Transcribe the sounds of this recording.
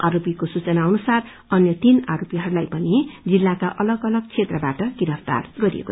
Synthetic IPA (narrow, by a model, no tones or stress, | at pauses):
aɾopikosut͡sʌnaʌnusar | ʌnjʌt̪inaɾopiɦʌɾulajpʌnid͡zilːakaʔʌlʌɡʌlʌɡ̚t͡sʰet̪rʌbaʈʌɡiɾʌpʰt̪a̰rɡʌɾḭḛko̰